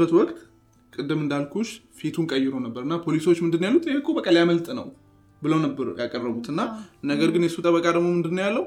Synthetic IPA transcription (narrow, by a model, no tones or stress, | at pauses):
ət̪wɔkʼt̪ | kʼɨd̪ːɨmɨnd̪alkʰuʃfet̪ʰunkʼəjɪɾownəbːəɾɨnːapʰo̞liso̞t͡ʃːmɨnd̪ɨnːjalːut̪ʰʼeɨkʰːobəkʼəljaməlt̪ʼnə̰w | bɨləwnəbːəɾjakʼərːəβut̪ɨnːanəɡəɾɡɨnjɛsut̪ʼəβəkʼad̪əmomɨnd̪ɨnːojalːəw